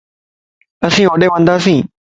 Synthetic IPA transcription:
ɐsĩːoːɗeʋə̃nd̪aːsĩː

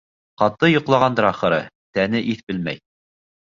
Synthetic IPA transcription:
qɑt̪ɤjŏqlˠɑʁɑnd̪ɤ̆ɾɑχɤ̆ɾɤ | t̪ænɘʔiθbɘlmæ̰j

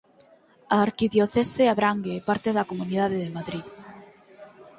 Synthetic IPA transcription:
aːɾkiðjoθeseaβɾaŋɡepaɾt̪eðɐkomuniðaðeðemaðɾið

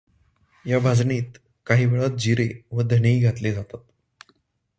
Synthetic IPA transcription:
jabʱad͡zniːt̪ | kaɦiːʋeɭat̪̚d͡ʑiɾeʋəd̪ʱəneiːɡʱat̪led͡zat̪at̪

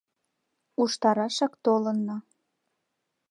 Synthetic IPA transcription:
uʃt̪ɑɾɑʃɑkt̪olənːɑ

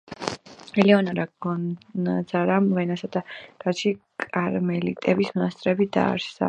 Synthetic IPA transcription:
ɛlɛɔnaɾaɡɔazaɾamvɛnasad̪aɾat̪t͡ʃikʼaɾmɛlit̪ʼɛbismɔnast̪ʼɾɛbid̪a̰ːɾsa̰

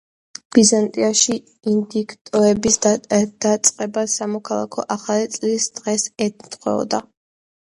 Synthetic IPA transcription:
b̥izant̪ʼiaʃi | ind̪ikʰt̪ʼɔɛbisd̪̥at̪sʼqʼɛbasamɔkʰalˠa̰kʰɔʔaχalit̪sʼlisd̪̥ʁɛsɛt̪ʰn̩t̪ʰχwɛ̰ɔ̰d̪a

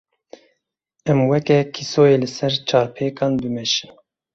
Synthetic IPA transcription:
ɛmwɛkɛkʰisoːjeːlɨsɛɾt͡ʃʰɑːɾpʰeːkɑːnbɨmɛʃin

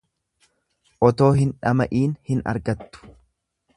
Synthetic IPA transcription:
ʔɔt̪o̞ːɦɪnᶑɐmɐ̰ʔiːnhɪnɐ̰ɾɡɐt̪ːʊ̥

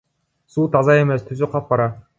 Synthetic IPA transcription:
suːt̪ʰɑzɑeme̞st̪ʰyzyqʰɑp̚bɑɾɑ

